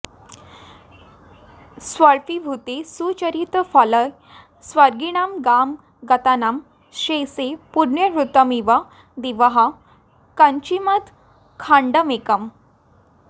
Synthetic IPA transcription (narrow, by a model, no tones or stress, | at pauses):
sʋəɾfibʱut̪esut͡ɕəɾit̪faləj | sʋəɾɡiɽamɡam | ɡət̪anam | ɕesepuɾɳjəɾut̪əmiʋa | d̪iʋəɦa | kəɲt͡ɕimət̪ | kʰãɳɖəmekəm